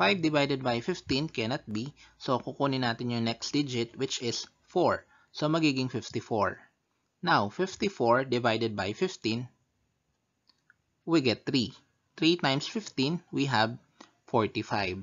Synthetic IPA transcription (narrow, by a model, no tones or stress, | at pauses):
fajvd̪ɪvajd̪ɛd̪̚bajfɪft̪ĩnkɛnɐt̪̚bisokukuːnɪnaːt̪ɪnjʊŋnɛksd̪ɪd͡ʒɪt̪̚wɪt͡ʃɪs | fɔɹ | somɐɡiːɡɪŋfɪft̪ɪfɔɹ | nawfɪft̪ifoɹd̪ɪvajd̪ɛd̪̚bajfɪft̪ĩn | wiɡɛt̪̚θɹi | t̪ɹit̪ajmsfɪft̪ĩnwiɦɐb̚ | fɔɹt̪ifajv